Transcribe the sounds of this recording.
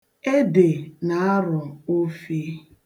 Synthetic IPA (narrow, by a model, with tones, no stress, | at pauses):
e˦de˨na˨˦a˦ɾʊ˨o˦fi˦